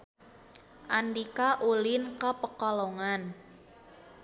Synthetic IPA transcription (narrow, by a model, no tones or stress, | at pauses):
ʔandikaʔulɪnkəpəkɔlɔŋan